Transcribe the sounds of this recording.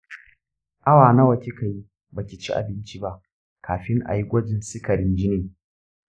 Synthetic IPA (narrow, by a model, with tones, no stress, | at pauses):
ʔa˦waː˨na˦wɐ˨kʲi˦ka˨ji˦ | ba˨kʲi˨t͡ʃḭ˦ʔa̰˨bɪ˦nt͡ʃi˦ba˦ʔ | kʰaː˨ɸɪ˦ŋʔa̰˨ji˦ɡʷɐ˦d͡ʒɪ˨nsɪ˦kɐ˨ɽɪ˦nd͡ʒɪ˦neː˨